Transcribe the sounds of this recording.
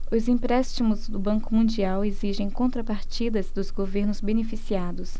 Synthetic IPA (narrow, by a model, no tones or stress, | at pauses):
ʊzĩpɾɛst͡ʃimʊzd̪ʊbɐ̃ŋkʊmũd͡ʒiaweziʒẽj̃kõnt̪ɾɐpaɾt͡ʃid̪ɐzd̪ʊzɡoveɾnʊzbenefisiad̪ʊs